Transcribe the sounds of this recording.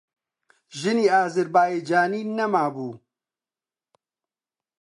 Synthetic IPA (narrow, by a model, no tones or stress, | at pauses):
ʒɨniːaːzɨɾbaːjeːd͡ʒaːniːnɛmaːbuː